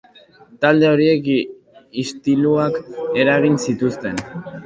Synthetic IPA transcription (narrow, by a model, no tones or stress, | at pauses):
t̪ald̪e̞o̞ɾie̞k | ist̪iluake̞ɾaɣ̞insit̪ust̪e̞n